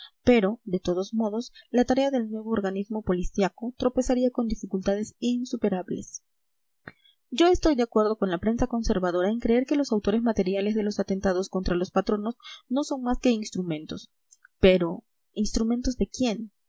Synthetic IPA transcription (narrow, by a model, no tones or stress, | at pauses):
pe̞ɾo̞ðe̞t̪o̞ðo̞zmo̞ðo̞slat̪aɾe̞aðe̞lnwe̞βo̞ːɾɣanizmo̞po̞lisjako̞t̪ɾo̞pe̞saɾiako̞nd̪ifikult̪að̞e̞sinsupe̞ɾaβle̞̰s | d͡ʒo̞e̞st̪ojd̪eakwe̞ɾðo̞ko̞nlapɾe̞nsako̞nse̞ɾβaðo̞ɾaeŋkɾeeɾke̞lo̞sawt̪o̞ɾe̞zmat̪e̞ɾjale̞zð̞e̞lo̞sat̪e̞nt̪að̞o̞sko̞nt̪ɾalo̞spat̪ɾo̞no̞sno̞so̞ŋmaske̞inst̪ɾumẽ̞nt̪o̞s | peɾo | inst̪ɾume̞nt̪o̞zðe̞kje̞n